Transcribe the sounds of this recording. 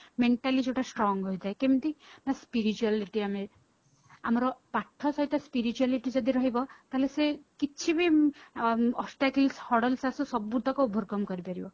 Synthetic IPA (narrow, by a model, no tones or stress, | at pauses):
meɳʈalid͡ʒeʈasʈɾɔŋɡɦojd͡ʒ̪ajkemit̪inaspiɾit͡ʃualiʈiame | amɔɾɔpaʈʰːɔsɔɦit̪ɔspiɾit͡ʃualiʈid͡ʒɔd̪ʱiɾɔɦibɔt̪aɦelesekit͡ʃʰibi | ɔsʈakilshɔɽɔlsasusɔbud̪ʱɔkɔubʱɔɾkɔmkɔɾipaɾibɔ